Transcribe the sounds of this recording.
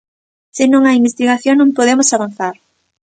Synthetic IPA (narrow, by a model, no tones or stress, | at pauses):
sɪnõŋaimbest̪iɣaθjonnõmpoðemʊsaβan̟θaɾ